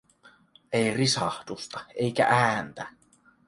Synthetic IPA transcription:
ejrisɑht̪ust̪ɑe̞jkæ̰ʔæːnt̪æ

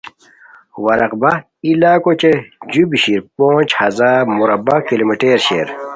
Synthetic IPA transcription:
wɐɾɐqba | ilaːkot͡ɕed͡ʑubɕiɾpoːt͡ɕhɐzaːmuɾɐbakilomiʈeːɾɕḛːɾ

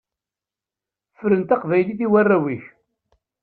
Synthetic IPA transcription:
fɾənt̪ɑqvæjliθiwærːæwiç

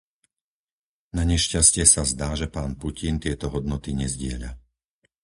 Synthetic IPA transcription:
naɲɛʃcascɪɛsazd̪aːʒɛpaːnpucint̪ɪɛt̪ɔɦɔd̪nɔt̪iɲɛzɟɪɛʎa̰

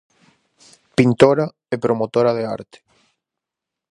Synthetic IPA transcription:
pint̪oɾa | epɾomot̪oɾaðea̰ɾt̪e̥

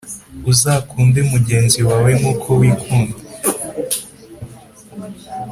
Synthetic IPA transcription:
uzakuːndeumuɟe̞ːnziwawemukʰowiːkʰuːnde

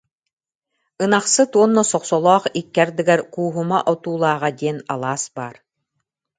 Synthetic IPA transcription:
ɯnaχsɯt̪uɔnːɔsɔqsɔlˠɔːχikːɛɾd̪ɯɡɛɾkuːɦumaʔɔt̪uːlˠaːʁad̪iɛna̰lˠaːsbaːɾ

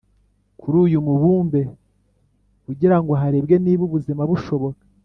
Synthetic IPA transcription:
kuɾuːjumuβuːmbe̞ | kuɟiɾaŋɡoɦaɾe̞bɡeniːβuβuzimaβuʃo̞βo̞kḁ

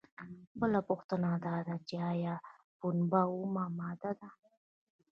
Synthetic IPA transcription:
bəlapʊxt̪ənad̪ɑd̪at͡ʃeɑjɑ | punbaumamɑd̪ad̪a

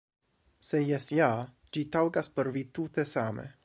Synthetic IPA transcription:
sejɛsja | d͡ʒit̪awɡaspəɾvit̪ut̪esamḛ

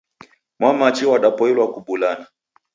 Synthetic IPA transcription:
mwamat͡ʃiwaɗapɔɛlwakuɓulana

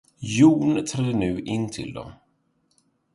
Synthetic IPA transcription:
juːnt̪ʰɾɛd̪ənʉ̟ːʔɪnːt̪ʰɪ̰ld̪ɔ̰m

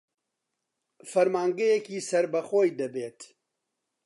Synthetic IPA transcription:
fɐɾmaːŋɡɐjɛkiːsɐɾbɐxoːjd̪ɐbeːt̪

